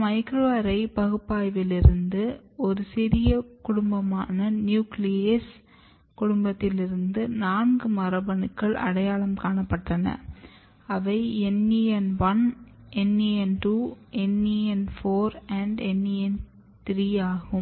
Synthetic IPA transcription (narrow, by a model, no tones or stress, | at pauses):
mɐɪkɾoːɾɐɪpɐɣɯpːaːjʋɪlɪɾɯnd̪ɯɔɾɯsɪɾɪjɐkʊɽʊmbɐmaːnɐnjuːklɪjɐs | kʊɽʊmbɐt̪ːɪlɪɾɯnd̪ɯnaːnɡɯmɐrɐbɐnɯkːɐɭʔɐ̰ɽɐjaːɭɐmkaːɳɐpːɐʈːɐnɐ̰ | ɐʋɐɪɛnːiɛnʋɐn | ʔɛnːiɛnʈuːɛnːiɛnfoːɾɐɳɖɛnːiɛn | t̪ɪɾiːaːɣɯm